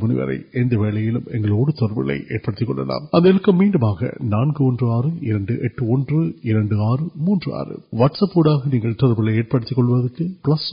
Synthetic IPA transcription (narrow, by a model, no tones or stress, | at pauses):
mʊnɪ̰ʋɐ̰ɾɐ̰ɪɛnd̪ɐʋeːlɐjɪlɯmɛŋɡɐɭoːɽɯt̪ɔɾɐɾbɪɭɐ̰ɪʔḛːʈ̚pɐɽɯt̪ːɪkːɔ̰ɳːɖɐ̰la̰ːmɐnd̪ɐɪɻɐkːɐmːiːɳɖɯmaːɣɐ̰naːnɡɯɔndrɯaːrɯɪɾɐɳɖɯʔɛʈːɯɔndrɯɪɾɐɳɖɯaːrɯmuːndrɯa̰ːrɯ̰ʋɐʈsɐpːuːɽaːɣɐniːŋɡɐɭt̪ɔɾɐbɪɭɐɪeːʈ̚pɐɽɯt̪ːɪkːɔɭːɯʋɐðɯkːɯpɭɐs